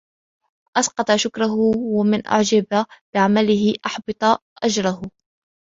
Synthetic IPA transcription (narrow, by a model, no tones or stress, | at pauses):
ʔɑsqɑt̪ˤɑʃʊkɾˤaɦʊwamɪnʔa̰ʕd͡ʒabab̥ɪʕamalɪhɪʔɑħbɨt̪ˤɑʔad͡ʒɾˤɑhʊ